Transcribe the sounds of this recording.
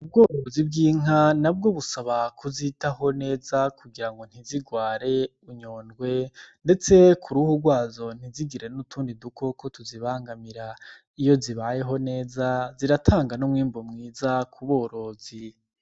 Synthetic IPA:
ub̚ɡo̞ːɾo̞zibɡiːŋ̥anab̚ɡo̞βusaβakuzitaɦo̞ne̞ːzakuɡiɾaŋɡo̞n̥iziɡwaːɾe̞ | uɲoːnɡwe̞nde̞t͡se̞kʰuɾuhuɡwaːzo̞n̥iziɡiɾe̞nutʰuːndidukʰo̞kʰo̞tʰuziβaːŋɡamiɾa | ijo̞ziβaje̞ɦo̞ne̞ːzaziɾatʰaːŋɡanumŋiːmbomŋiːzakʰuβo̞ːɾo̞ːz̥i

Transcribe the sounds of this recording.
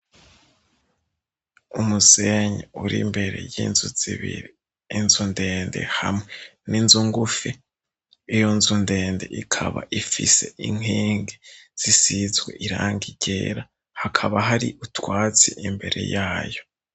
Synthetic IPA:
umuse̞ɲeuɾimbe̞ɾe̞̰jiːnzuz̥iβḭɾiː | nzunde̞ːnde̞̰hamŋeninzuŋɡufiː | jo̞nzunde̞ːnde̞̰ʔikʰaβa̰ʔifise̞ʔiŋ̥iːŋɡez̥isizɡwḛʔiɾaːŋɡiɟe̞ːɾa | hakʰaβaɦaɾiʔutwaːt͡siʔimbe̞ɾe̞̰jaːjo̞

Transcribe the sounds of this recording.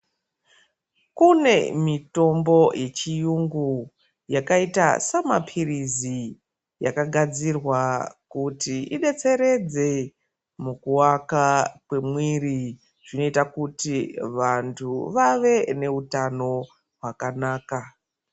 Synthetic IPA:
kune̞mito̞mbo̞jʔe̞t͡ʃijuŋɡu | jakaita̰sama̰pʰirizi | ja̰kaɡʱad͡zirwakutiʔiɗe̞t͡se̞ɾe̞d͡ze̞ | mukuwakakwe̞mwiri | ʐ̥ino̞itakutiʋantʰuʋaʋe̞ne̞utano̞ | ɦwakanaːka

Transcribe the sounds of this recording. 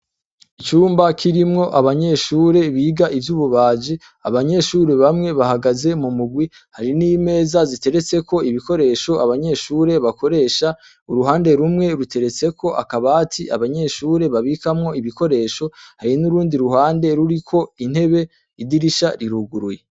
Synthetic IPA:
it͡ʃuːmbakʰiɾimŋo̞ʔaβaɲe̞ʃuːɾe̞βiːɡaʔivjuːβuβaːd͡ʒi | a̰βaɲe̞ʃuːɾe̞βamŋe̞βahaɡaze̞mumuɡwi | haɾiniːme̞ːzazite̞ɾe̞t͡se̞kʰo̞iβiko̞ɾe̞ːʃo̞ʔaβaɲe̞ʃuːɾe̞βakʰo̞ɾe̞ːʃa | uɾuɦaːnde̞ɾumŋe̞ɾute̞ɾe̞t͡se̞kʰo̞ʔa̰kaβatʰia̰βaɲe̞ʃuːɾe̞βaβikamŋo̞iβiko̞ɾe̞ːʃo̞haɾinuɾuːndiɾuɦaːnde̞ɾuɾikʰo̞in̥he̞βe̞ | idiɾiʃaɾiɾuɡuɾuje

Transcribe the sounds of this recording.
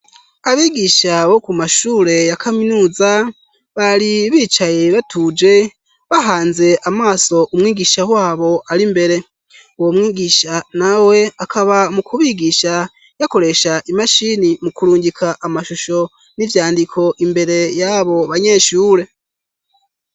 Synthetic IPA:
aβiɡiʃaβo̞kumaʃuːɾe̞jakʰaminuːza | βaɾiβiːt͡ʃaje̞βatʰud͡ʒe̞ | βaɦaːnze̞ʔamaːso̞ʔumŋiːɡiʃawaːβo̞ʔaɾimbe̞ɾe̞ | uwomŋiːɡiʃanawe̞akʰaβamukʰuβiːɡiʃa | jako̞ɾe̞ʃaʔimaʃinimukuɾuːɲɟikʰaʔamaʃuʃo̞ | nivjaːndikʰo̞ʔimbe̞ɾe̞jaβo̞βaɲe̞ːʃuːɾe̞

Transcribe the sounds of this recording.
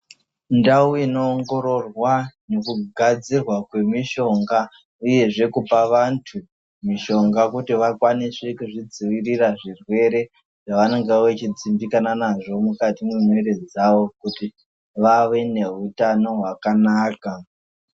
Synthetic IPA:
ndauino̞ːŋɡo̞ɾo̞rwane̞kuɡʱad͡zirwakwe̞miʃo̞ŋɡa | uje̞ʐe̞kupaʋantʰu | miʃo̞ŋɡakutiʋakwanisekuʐid͡ziʋiriraʐirwe̞ɾe̞ | ʐ̥aʋane̞ŋɡewet͡ʃid͡zimbikananaʐo̞mukatimimwe̞ɾe̞d͡zaʋo̞kuti | ʋaʋe̞ne̞utano̞ɦwakanaːka

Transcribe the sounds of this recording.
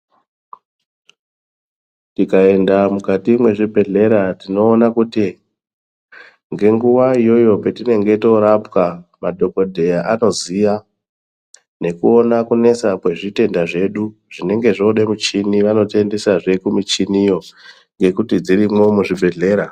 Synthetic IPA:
tikae̞ndamukatimwe̞ʐibʱe̞ɮe̞ɾatino̞ːnakuti | ŋɡe̞ŋɡuʋaijo̞jo̞petine̞ŋɡe̞to̞ɾapkamadʱo̞ko̞dʱe̞jaʔano̞ziʋa | ne̞kuo̞nakune̞sapwe̞ʐite̞ndaʐe̞ɗuʐ̥ine̞ŋɡe̞ʐo̞ɗemut͡ʃiniʋano̞tie̞nde̞saʐe̞kumit͡ʃinijo̞ | ŋɡe̞kutid͡ziɾimo̞muʐibʱe̞ɮe̞ːɾa

